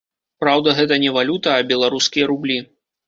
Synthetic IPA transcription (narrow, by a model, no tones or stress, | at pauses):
pɾawd̪ɐɣɛt̪̬ɐnʲɛvalʲut̪ɐːbʲɛlˠaɾuskʲijɐɾublʲi